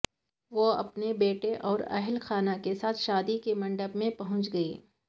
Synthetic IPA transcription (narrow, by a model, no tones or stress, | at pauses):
ʋoɐ̰pnebeːʈeʔɔːɾɐ̰ɦɪlxaːnakesaːt̪ʰʃaːd̪ikemɐ̃ɳɖəbmẽpɐɦʊ̃t͡ʃɡɐḭː